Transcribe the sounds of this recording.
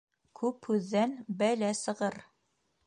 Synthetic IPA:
kʰʉphʉðːænbælæsɤ̆ʁɤɾ

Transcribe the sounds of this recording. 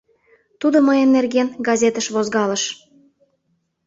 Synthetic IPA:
t̪ud̪oməjə̆nːerɣenɡɑzʲet̪əʃβozɣɑlə̆ʃ

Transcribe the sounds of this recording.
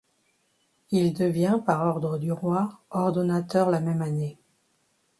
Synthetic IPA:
ild̪əvjɛ̃paʁɔʁd̪ʁəd̪yʁwaɔʁd̪ɔnat̪œʁlamɛmane

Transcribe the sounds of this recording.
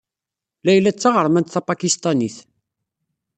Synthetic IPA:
læjlːæt͡sːaʁəɾˤmænt̪θɑpɑkist̪ˤɑniθ

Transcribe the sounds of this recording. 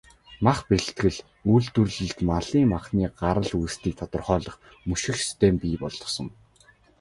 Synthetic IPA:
maχpĕɬt̪ɡɘ̆ɮ | uːɮt̪ŭrɮɘ̆ɮt̪maɮiːŋmaχniːɢaɾə̆ɮujst̪iːk̚t̪ʰɔt̪ɞ̆rχœːɮɞ̆χ | mɵʃɪ̆xsi̥st̪ʰempiːpɔɮɞ̆sɞ̆ŋ

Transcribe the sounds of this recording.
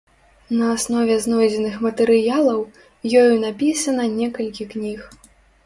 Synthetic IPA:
nɐːsnɔvʲɛznɔjd͡zʲɛnɨxmɐt̪ɛɾɨjalˠɐw | jɔjunapʲisɐnɐnʲɛkɐlʲkʲiknʲix

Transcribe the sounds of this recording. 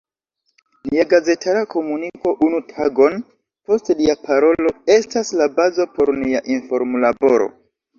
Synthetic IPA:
liaɡaze̞tʰaɾakʰo̞muniko̞ʔunutʰaɡo̞n | po̞stliapʰaɾo̞lo̞e̞staslabazo̞po̞ɾniaʔinfo̞ɾmlabo̞ɾo̞̰

